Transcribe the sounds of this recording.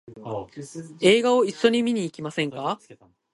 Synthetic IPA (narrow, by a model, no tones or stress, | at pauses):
e̞ːɡao̞iɕːo̞ɲ̟imʲiɲ̟iːkʲimasẽ̞ŋkka